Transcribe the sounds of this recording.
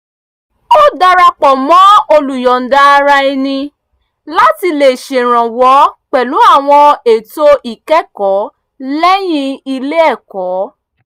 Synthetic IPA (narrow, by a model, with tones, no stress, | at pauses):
o˦da˧ɾa˧k͡pɔ˨mɔ̃˨˦o˧lu˨jɔ˨n̩˨da˦˧ɾa˧i˧nĩ˧ | la˦ti˧le˨ʃe˨ɾ̃ã˨wɔ˨˦k͡pɛ˨lu˨˦a˦˨w̃ɔ̃˧e˨to˦ʔi˨kɛ˦kɔ˨˦ | lɛ˦j̃ĩ˧i˧le˦ɛ˦˨kɔ˨˦